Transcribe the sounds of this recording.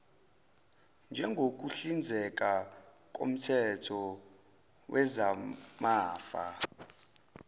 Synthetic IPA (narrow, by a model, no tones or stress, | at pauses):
nd͡ʒʱɛŋɡʱok̬ʼuɬind͡zʱɛk̬ʼa | k̬ʼo̰m̩tʰɛtʰɔ | wʔɛzamaːfa̰